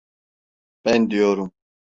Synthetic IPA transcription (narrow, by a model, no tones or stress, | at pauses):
pɛnd̪ijoːɾum